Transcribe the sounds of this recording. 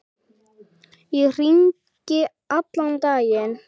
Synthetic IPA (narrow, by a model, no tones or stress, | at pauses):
iriŋ | cɪ | aplaŋt̪ajɪn